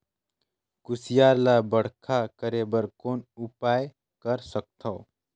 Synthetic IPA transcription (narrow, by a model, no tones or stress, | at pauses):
kʊsɪjaːɾlaːbəɽ̤kʰakəɾeːbəɾkoːnʊpaːj | kəɾsək̚t̪ʰoː